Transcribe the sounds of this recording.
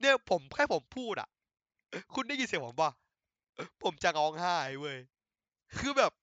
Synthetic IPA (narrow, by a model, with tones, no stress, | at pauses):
ni˥˩ɐpʰo˩˦mkʰaː˥˩jpʰo˩˦mpʰuː˥˩t̪̚ʔa̰˨˩ | kʰu˧nːi˥˩ji˧˩spʰo˩˦mwaː˧˩ | pʰo˩˦mt͡ɕa˨ŋɔː˧ŋhaː˥˩jwɤː˧˩j | kʰɯː˧bɛː˨˩p̚